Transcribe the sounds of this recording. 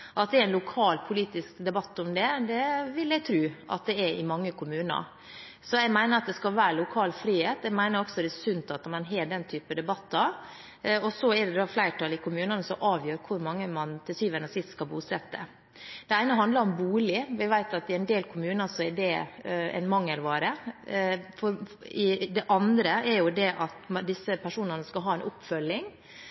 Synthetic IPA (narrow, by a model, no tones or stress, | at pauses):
ʔɑt̪̚d̪ɛɾæɪnlʊkʰɑːlpʰʊliːt̪ɪskd̪ɛbɑt̪ːʊmd̪ɛd̪ɛʋɪljɛɡt̪ʰɾʉːʔɑ̰t̪̚d̪ɛɛɾɪmɑŋːəkʰʊmʉːnə̰ɾ | sɔjɛɡmæɪnəɾɑt̪̚d̪ɛskɑlʋæːɾlʊkʰɑːlfɾiːheːt̪ɛɡmæɪnəɾɔksɔd̪ɛɛsʉnt̪ɑt̪mɑnɦeːɖɛnt̪ʰyːpəd̪ɛbɑt̪ːəɾ | ɔsɔɛɖɛd̪ɑːflæɪʈʰɑlɪkʰʊmʉːnənəsɔmʔɑːʋjøːɾkʰʊɾmɑŋːəmɑnt̪ʰɪlsyːʋɛnəsɪst̪skɑlbuːsɛt̪ːə̰ | d̪̥ɛæɪnəɦɑnd̪lɑɾɔmbuːlɪʋɪʋæɪt̪ɑt̪ɪɛnd̪eːlkʰʊmʉːnəsɔɛɖɛɛ̰nmɑŋːəlʋɑːɾə | fɔɾɪd̪ɛʔɑnd̪ɾəʔɛɾjʊd̪ɛʔɑt̪md̪ɪsəpʰæʂuːnənəskɑlɦɑːɛnʔʊpːfœlːɪŋ